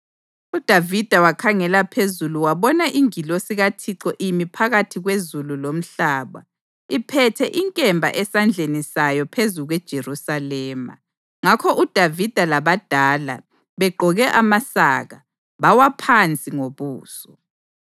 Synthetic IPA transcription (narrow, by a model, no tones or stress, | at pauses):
ud̥ʱavid̥ʱawakʰaŋɛlapʰezuluwaβɔnaʔiŋilosiɣatʰiǁɔʔimipʰaɣatʰiɣwezululom̩ɬaːβa̰ | ipʰɛtʰɛʔiŋkʼɛmbʱa̰ʔɛsand͡ɮʱenisajɔpʰezuɣwɛd̥ʒ̥ʱerusalɛːma̰ | ŋakʰɔʔud̥ʱavid̥ʱalaβad̥ʱaːla̰ | βɛɡ͡ǃʱɔɣɛʔamasaːɣa | βawapʰant͡sʼiŋoβuːsɔ